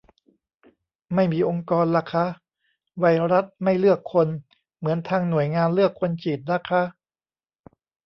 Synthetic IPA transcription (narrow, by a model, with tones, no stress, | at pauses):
ma˥˩jmiː˧ʔo˧ŋkɔː˧nla˨˦˩kʰa˦˥ʔ | wa˧jɾa˦˥t̪̚ma˥˩jlɯ˥˩əkʰːo˧n | mɯ˩˦ənt̪ʰaː˧ŋnu˨˩əjŋaː˧nlɯ˥˩əkʰːo˧nt͡ɕiː˨˩t̪̚na˦˥kʰa˦˥ʔ